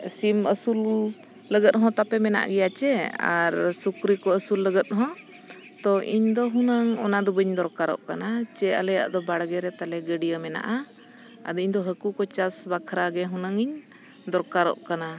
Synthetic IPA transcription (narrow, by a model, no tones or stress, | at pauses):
siməsulː | əɡət̪̚ɦɔ̃t̪apɛmɛna̰ʔɡɛjat͡ʃɛa̰ɾsukɾikɔəsulːəɡət̪̚ɦɔ̃ | t̪ɔʔiɲd̪ɔɦunəŋɔnad̪ɔbəɲd̪ɔɾkaɾɔ̰ʔkanat͡ʃɛa̰lɛja̰ʔd̪ɔbaɽɡɛɾɛt̪alɛɡəɖijəmɛna̰ʔa | a̰d̪ɔiɲd̪ɔɦəkukɔt͡ʃasbakʰɾaɡɛɦũnaŋiɲ | d̪ɔɾkaɾɔ̰ʔkana